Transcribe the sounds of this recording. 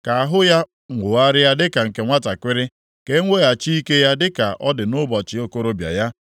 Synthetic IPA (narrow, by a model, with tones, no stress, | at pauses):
ka˨a˨ɦʊ˦ja˦ | ŋʷʊ˨a˦ɾɪ˦ja˦dɪ˦ka˨ŋ̩˨ke˨ŋʷa˦ta˨kʷɪ˦ɾɪ˦ | ke˦ŋʷe˦ja˨t͡ʃi˦i˦ke˦ja˦dɪ˦ka˨ʔɔ˦dɪ˨nʊ˦bɔ˨t͡ʃɪ˨o˦ko˦ɾo˦bja̰˨ja˦